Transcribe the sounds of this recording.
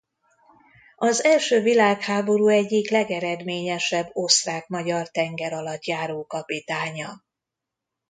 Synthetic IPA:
ɒzɛlʃøːvilaːkhaːbo̞ɾuːɛɟːiklɛɡɛɾɛd̪meːɲɛʃɛbːo̞sraːkmɒɟɒrt̪ɛŋɡɛɾɒlɒt̪jaːɾoːkɒpit̪aːɲɒ

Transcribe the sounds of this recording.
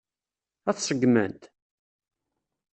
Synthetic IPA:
æθsəɡmə̰nt̪

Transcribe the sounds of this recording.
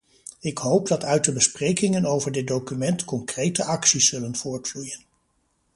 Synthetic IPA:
ɪkɦowp̚dɑtœɥt̚dəbəsprejkɪŋənowvəɹdɪt̚dowkymɛntkɔŋkrejtəʔɑksisːɵlənv̥ʊːɹtflujən

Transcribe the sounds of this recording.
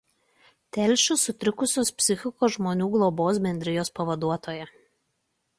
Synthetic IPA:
t̪ʲɛlʲʃʲʊsʊt̪ʲɾʲɪkʊsʲoːspʲsʲɪxʲɪkoːʒmoːnʲuːɡlˠoboːs̬bʲɛnʲd̪ʲɾʲɪjoːspɐʋɐd̪uɔt̪oːjɛ

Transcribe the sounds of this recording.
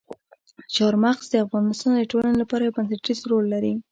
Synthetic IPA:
ʃɑɾmaqzd̪əafɣɑnɪst̪ɑnd̪əʈolanelapɑɾajawbansaʈɾizɾolːaɾi

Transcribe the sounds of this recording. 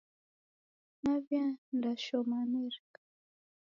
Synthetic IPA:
navjandaʃɔmanɛɾikḁ

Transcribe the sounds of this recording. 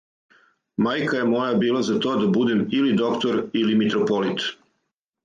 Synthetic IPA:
majkaje̞mo̞jabiːlazat̪o̞ːd̪abud̪emilid̪o̞kt̪oɾilimit̪ɾopo̞lit̪

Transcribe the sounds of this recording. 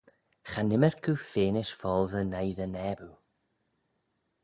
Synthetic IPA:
xanɪməɹkʰuːfeːnɪʃfɔːlˠzənajðənɛːbu

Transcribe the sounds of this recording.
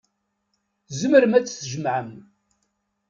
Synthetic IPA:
zəməɾmæt͡sːθəʒəmʕəm

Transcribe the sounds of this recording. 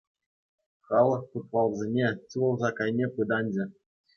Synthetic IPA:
χɑlˠɤ̆χput̪̚ʋɑlˠzʲenʲet͡ɕuɤ̆lˠzɑkɑjnʲepɯd̪ɑnʲd͡ʑɘ̆

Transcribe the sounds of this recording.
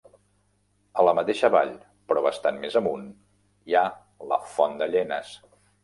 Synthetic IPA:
ələmət̪eʃəβaʎ | pɾɔβəst̪anmezəmun | ia | lə̰fɔnd̪əʎɛnəs

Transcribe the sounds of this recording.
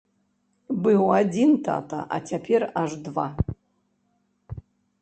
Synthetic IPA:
bɨwadʲint̪ʰa̰tʰa̰ʔa̰tʲʰapʲʰeraʐdva̰

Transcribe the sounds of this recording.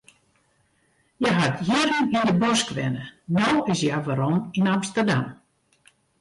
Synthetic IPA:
jaɦatʰjirənindəbɔskʋɛ̰nənɔwɪsjaʋaɾɔminamstərdam

